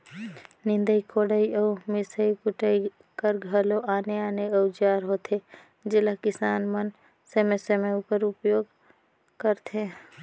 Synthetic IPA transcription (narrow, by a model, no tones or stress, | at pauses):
nɪ̃nd̪əikʰoɽəiəmɪsəikuʈəi | kəɾɡʱəloʔaːneaːneəud͡ʒaːɾɦot̪ʰe | d͡ʒeləkɪsaːnmən | semesemeupəɾupjoːɡ | kəɾt̪ʰe